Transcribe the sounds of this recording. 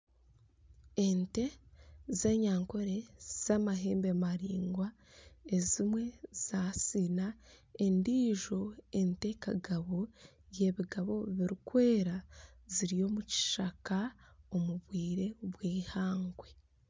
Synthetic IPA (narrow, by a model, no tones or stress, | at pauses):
ente̞zeːɲaːŋko̞ɾe̞z̥amaɦe̞ːmbemaɾiːŋɡwa | e̞zimwe̞z̥asinae̞ndiːʒo̞e̞nte̞ka̰ɡaβo̞ | je̞βiɡaβo̞βiɾikwe̞ːɾa | ziɾijo̞ːmuci̥ʃakaomuβwiːɾe̞βwiːhaːŋɡwe̞